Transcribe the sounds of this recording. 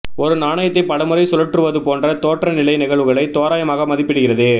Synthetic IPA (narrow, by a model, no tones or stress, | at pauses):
ɔɾɯnaːɳɐjɐt̪ːɐɪpɐɽɐmɯɾɐɪsɔlɐʈrɯʋɐðɯpoːndrɐt̪oːʈrɐnɪlɐɪnɪɣɐɭʋɯɣɐɭɐɪt̪ːoːɾaːjɐmaːɣɐmɐðɪpːɪɽɯɣɪrɐðɯ